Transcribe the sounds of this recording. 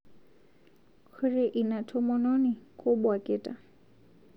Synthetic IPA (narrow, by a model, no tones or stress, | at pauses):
kʰʊrɪʔinatʰʊmɔnɔnɪkʼʊbwakʼeːtʼa